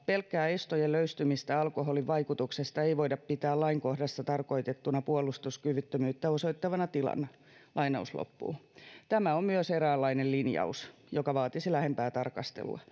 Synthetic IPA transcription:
pelkːæːest̪ojeløyst̪ymist̪æɑlkoholiʋʋɑikut̪uksest̪ɑeiʋoidɑppit̪æːlɑiŋkohdɑst̪ɑt̪ɑrko̞it̪et̪ːunɑpuolˑust̪uskyʋyt̪ːømyːt̪ːæosoit̪ːɑʋɑnɑt̪ilɑ̰n | lʔɑinɑ̰uslo̰pːṵːt̪æmæommyøseɾæːlːɑinellinjɑ̰us | jokɑʋɑːt̪isilæhempæːt̪ɑrkɑst̪ḛlṵɑ̰

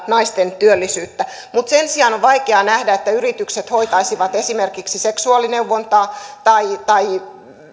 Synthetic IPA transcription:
nɑist̪ent̪yølːisyːt̪ːæ | mut̪sensiɑnoʋʋɑikeɑnæhdæet̪ːæyrit̪ykset̪hoit̪ɑisiʋɑt̪esimerkiksiseksuɑˑlineuʋːont̪ɑːt̪ɑit̪ɑi

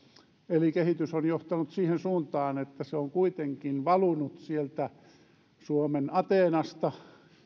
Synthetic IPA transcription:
elikehit̪ysonjoht̪ɑnut̪siːhensuːnt̪ɑːnet̪ːæseoŋkuit̪eŋkinʋɑlunut̪sielt̪æ | suomenɑt̪eːnɑst̪ɑ

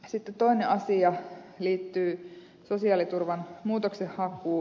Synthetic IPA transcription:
sit̪ːet̪to̞ineʔɑsiɑliːt̪ːyː | sosiɑlit̪urʋɑnmuːt̪oksehhɑkːˑuː

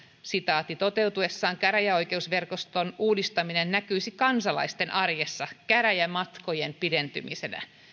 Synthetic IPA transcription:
sit̪ɑːt̪ːit̪o̞t̪e̞wt̪uesːɑːŋkæɾæjæo̞jke̞usʋe̞rkost̪onuːdist̪ɑminennækyisikɑnsɑlɑ̰ist̪e̞nʔɑrjesːɑkæɾæjæmɑt̪ko̞jempident̪y̰misenæ̰

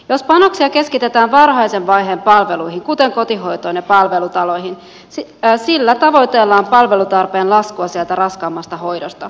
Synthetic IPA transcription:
jo̞spɑno̞ksiɑke̞skit̪e̞t̪æːnʋɑrɦɑjsenʋɑjɦeːmpɑlʋelujɦiŋkut̪e̞ŋko̞t̪iɦo̞jt̪oinːepɑlʋe̞lut̪ɑlo̞jhin | silːæt̪ɑʋo̞jt̪elːɑːmpɑlʋe̞lut̪ɑrpe̞ːnlɑskuɑsiælt̪ærɑskɑːmːɑst̪ɑɦo̞jdost̪ɑ

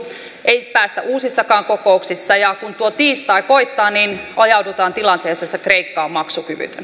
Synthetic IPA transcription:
ʔeipæːst̪æ̰ʔuːsisːɑkɑːŋkokouksisːɑjɑkunt̪uot̪iːst̪ɑikoit̪ːɑːninɑjɑudut̪ɑːnt̪ilɑnt̪eːsesːekreikːɑːmmɑksukyʋy̰t̪ø̰n

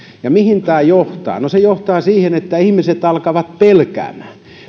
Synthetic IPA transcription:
jɑmihint̪æːjoht̪ɑ̰ːnosejoht̪ɑːsiːhenet̪ːæihmiset̪ɑlkɑʋɑt̪̚pelkæ̰ːmːˑæː

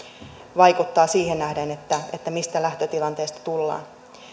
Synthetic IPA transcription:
ʋɑjkut̪ːɑːsiːhennæhdenet̪ːæe̞̰t̪ːæmist̪ælæht̪øt̪ilɑnt̪e̞ːst̪ɑ̥t̪ulːɑ̰ːn

